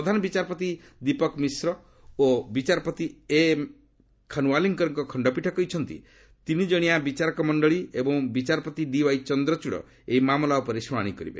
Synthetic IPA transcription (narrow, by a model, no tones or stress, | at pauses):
ɾɔd̪ʱanɔbit͡ʃaɾɔpɔt̪i | d̪ipɔkmisɾɔ | obit͡ʃaɾɔpɔt̪ie | kʰanuwaliŋkɔɾɔŋkɔkʰɔɳɖɔpiʈʰɔkɔjt͡ʃʰɔnt̪ḭ | t̪inid͡ʒɔɽ̃iabit͡ʃaɾɔkɔmɔɳɖɔɭiebɔŋbit͡ʃaɾɔpɔt̪iɖiwajt͡ʃɔnd̪ɾɔt͡ʃuɽɔ̰ | eimamlaupɔɾesɔmaɽ̃ikɔɾibḛ